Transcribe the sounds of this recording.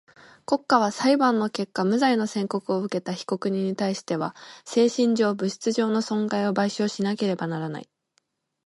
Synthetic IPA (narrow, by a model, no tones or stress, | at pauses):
ko̞kːaβ̞asaibãnːo̞ke̞kːamɯ̟zaino̞sẽ̞ŋko̞kɯ̟oɯ̟ke̞t̪açi̥ko̞kɯ̟ɲ̟ĩɲ̟ːit̪aiɕi̥t̪e̞βase̞ːɕĩɲ̟d͡ʑo̞ːbɯ̟ɕi̥t͡sɨʑo̞ːno̞sõ̞ŋɡaio̞baiɕo̞ːɕinake̞ɾe̞banaɾana̰i